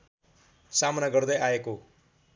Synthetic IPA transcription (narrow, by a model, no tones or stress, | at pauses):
samnaɡʌrd̪ʌjaeko